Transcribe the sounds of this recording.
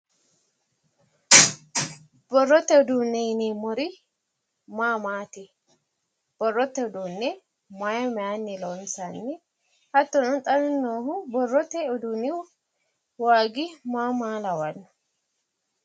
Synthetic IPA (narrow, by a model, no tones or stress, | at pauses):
bɔrːɔt̪ːɛʊd̪unːɛjɪnɛmɔɾɪ | maːmaːt̪ɪ | b̥ɔrːɔt̪ːɛʊd̪uːnːɛ | maːjɐmɛaːnːɛlɔnsanːɛ | hɐt̪ːɔnɔnt̪ʼɐnɛnːoːhʊbɔrːɔt̪ːɛʊd̪unːɪ | waːɡɪmaːmaːlɐwɐnːɔ̥